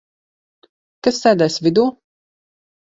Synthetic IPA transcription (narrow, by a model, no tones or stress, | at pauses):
kasːɛːd̪ɛjsvʲid̪uː